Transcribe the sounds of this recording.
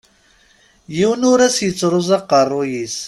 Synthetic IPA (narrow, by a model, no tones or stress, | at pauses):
jiwənʊɾæsjət͡sːɾˤozˤɑqɑrˤːʊjis